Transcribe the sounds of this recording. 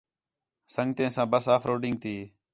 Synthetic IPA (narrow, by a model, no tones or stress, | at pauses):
səŋɡt̪ẽːsãːbəsaːfʰɾoːɖɪŋɡ̚t̪iː